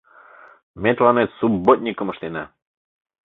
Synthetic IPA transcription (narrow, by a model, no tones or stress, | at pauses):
mʲet̪lˠɑnet̪subot̪̚ʲnʲikəmə̆ʃt̪enæ̰